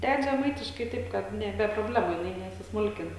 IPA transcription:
ˈdʲɛt ʒʲɛˈmɐɪtʲɪʃkɐɪ ˈtɐɪp ˈkɐt ˈnʲɛ bʲɛ proːˈbʲlʲæːmʊ jɪˈnɐɪ nʲɛsʲɪsˈmʊlʲkʲɪn

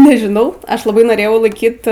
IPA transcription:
nʲɛʒʲɪˈnɐʊ ˈɐʃ lˠɐˈbɐɪ noːˈrʲeːjɛʊ lˠɐɪˈkʲiːt

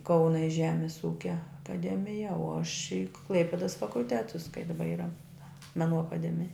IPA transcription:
ˈkɐʊnɐ ɪ ˈʒʲæːmʲɪs ˈuːkʲɛ ɐkɐˈdʲæːmʲɪjɛ oː ɐʃ ɪ ˈklˠɐɪpʲɪdɐs fɐkʊlʲˈtʲæːtʊs kɐɪ dɐˈbɐ ˈiːrɐ mʲɛˈnuː ɐkɐˈdʲæːmʲɪjɛ

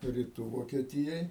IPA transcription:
rʲɪˈtuː ʋoːkʲiɛˈtʲɪjoːj

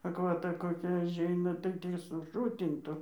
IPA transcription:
ɐkʋɐˈtɐ koːˈkʲɛ ɐˈʒʲɛɪnɐ tɐɪ ˈtʲiː sʊˈʃʊtʲɪntʊ

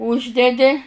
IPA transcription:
ˈuːʒʲdʲɛdʲɪ

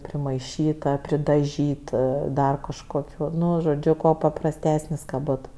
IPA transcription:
pʲrʲɪmɐɪˈʃʲiːtɐ pʲrʲɪdɐˈʒʲiːtɐ ˈdɐr kɐʃkoːˈkʲuː ˈnʊ ʒoːˈd͡ʒʲʊ kuɔ pɐprɐsʲˈtʲæːsʲnʲɪs kɐ ˈboːt

